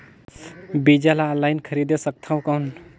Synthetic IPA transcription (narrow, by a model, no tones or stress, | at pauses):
bid͡ʒalalajnkʰəɾid̪esək̚t̪ʰaw̃kan